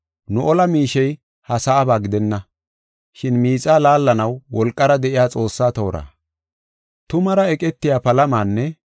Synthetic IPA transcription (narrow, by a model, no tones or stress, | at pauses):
nʊʔɔlɐmiːʃɛj | hɐsɐʔːbaːɡɪd̪ɛnːɐ | ʃɪnmiːt͡sʼaːlaːlːɐnɐwːɔlkʼːɐɾɐd̪ɛʔɪjaːt͡sʼo̞ːsːaːt̪oːɾa̰ː | t̪ʊmɐɾɐɛkʼɛt̪ːɪjaːpɐlɐmaːnːɛ